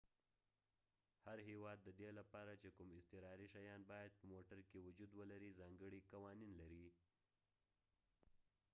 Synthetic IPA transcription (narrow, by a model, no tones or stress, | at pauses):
haɾɦewɑd̪ːəd̪elapɑɾat͡ʃekʊmɪst̪ɪɾɑɾiʃajɑnbɑjad̪̚pəmoʈaɾkewʊd͡ʒud̪wəlaɾizɑŋɡəɽikawɑninlaɾi